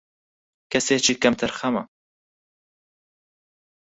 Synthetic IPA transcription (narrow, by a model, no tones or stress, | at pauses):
kɛseːt͡ʃʰiːkɐmt̪ʰɨɾxɐmɐ̰